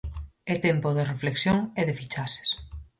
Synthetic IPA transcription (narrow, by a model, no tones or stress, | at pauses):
et̪empoðerefleksjoŋeðefit͡ʃase̥s